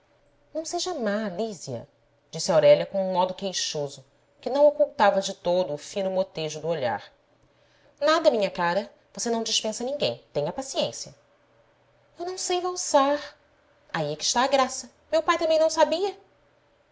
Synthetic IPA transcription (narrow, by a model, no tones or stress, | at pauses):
nɐ̃w̃seʒɐmaliziɐ̰ | d͡ʒisɪawɾɛʎɐkõũmɔd̪ʊkejʃozʊ | kɪnɐ̃w̃okuwt̪avɐd͡ʒɪt̪od̪ʊːfĩnʊmot̪eʒʊd̪ʊoʎa̰ɾ | nad̪ɐmĩɲɐkaɾɐ | vosenɐ̃w̃d͡ʒɪʃpẽsɐnĩŋɡẽj̃t̪ẽj̃ɐpasiẽsiɐ | ewnɐ̃w̃sejvawsaɾ | aiɛkɪ̥ʃt̪aːɡɾasɐ | mewpajt̪ɐ̃mẽj̃nɐ̃w̃sabiɐ